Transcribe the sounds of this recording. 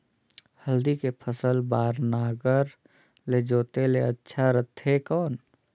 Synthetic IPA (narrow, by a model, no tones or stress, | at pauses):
həld̪ikepʰəsəlbaːɾnaːɡəɾ | led͡ʒoːt̪eleətːʃʰaɾət̪ʰɦekɔːn